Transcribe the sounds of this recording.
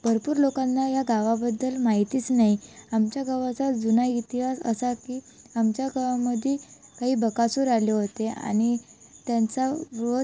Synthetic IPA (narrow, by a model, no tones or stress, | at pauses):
b̥ʱəɾpuːɾlokanːajaɡaʋabəd̪ːəlmaɦit̪iːt͡snaɦiamt͡ɕjaɡaʋat͡sad͡zunait̪iɦasə̰sakiː | amt͡ɕjaɡaʋaməd̪ʱjekaɦiːbəkasuːɾaljeɦot̪ea̰ñit̪jant͡saɾo